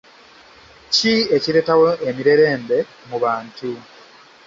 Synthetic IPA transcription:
cieciɾe̞ːtawoʔemiɾe̞ɾe̞ːmbe̞ | muβaːntu

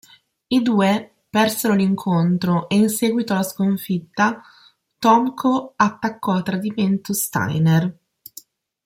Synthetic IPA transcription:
id̪uːe | pɛrseɾoliŋkʰont̪ɾoʔeinsɛːɡwit̪olaskoɱfit̪ːa | t̪ɔŋkʰoat̪ːakːɔat̪ːɾad̪iment̪ost̪a̰jner

